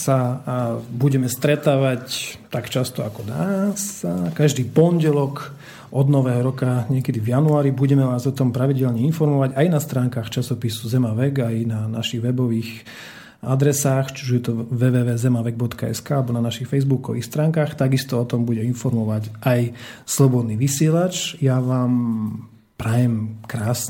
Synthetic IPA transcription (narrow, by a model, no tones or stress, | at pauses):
sa | buɟɛmɛst̪ɾɛt̪aːʋact̪akt͡ʃast̪ɔakɔnaːsakaʒd̪iːpɔnɟɛlɔk | ʔɔd̪nɔʋɛːɦɔɾɔkaɲɪɛkɛd̪ivjanuaːɾibuɟɛmɛʋaːzɔt̪ɔmpɾaʋiɟɛʎɲɛinfɔɾmɔʋaɟajnast̪ɾaːŋkaːxt͡ʃasɔpisuzɛmaʋɛɡajnanaʃiɣʋɛbɔʋiːx | ad̪ɾɛsaːxt͡ʃuʒjɛt̪ɔʋɛːʋɛːʋɛːzɛmaʋɛɡ̚bɔt̪kaɛ̰skaalɛbɔnanaʃixfɛjzbukɔʋḭːxst̪ɾaːŋkaːxt̪aɡist̪ɔɔt̪ɔmbuɟɛinfɔɾmɔʋaɟʔajslɔbɔd̪niːʋisɪɛlat͡ʃjaʋaːm | pɾajɛmkɾaːs